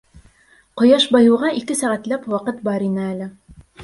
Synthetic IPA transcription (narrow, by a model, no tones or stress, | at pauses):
qŏjɑʃbɑjɤ̆wʁɑʔikɘsæʁæt̪læpwɑqɤt̪bɑɾinɘælɘ